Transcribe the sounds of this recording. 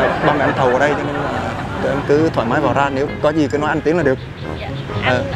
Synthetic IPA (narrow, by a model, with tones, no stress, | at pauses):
ɓaː˧ŋma˨˩ʔɛ˧mt̪ʰə˨˩wʔəː˨˧˩ɗə˧jt͡ɕɔ˧ne˧nlaː˨˩˨ | ʔɛ˧mkɨ˨˦t̪ʰwaː˧˩maː˨˦jvaː˧˨˩zaː˧ne˨˦wkɔ˨˦zi˨˩kaː˨˦nɔ˨˦jʔa˧jŋt̪i˨˦əŋlːa˨˩ɨ˨˩ək̚ | ʔəː˨˩